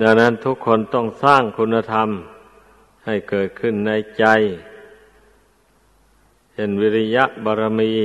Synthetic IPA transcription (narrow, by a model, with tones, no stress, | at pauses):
da˧˩na˧˥˨nt̪ʰu˧˦˥kʰːo˧˥˨nt̪ɔ˧˩ŋsaː˥˩ŋkʰu˧˥nːa˧t̪ʰa˧˥m | ha˨˩jkɤː˨˩t̪̚kʰɯ˧˩˨nːa˧˥jt͡ɕa˧j | hʰe˧˩˨nwi˧˥li˧ja˦˥ʔbɔː˧ɾa˧miː˧˥